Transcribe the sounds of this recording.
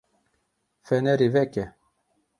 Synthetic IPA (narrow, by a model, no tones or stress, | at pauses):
fɛnɛɾivɛkɛ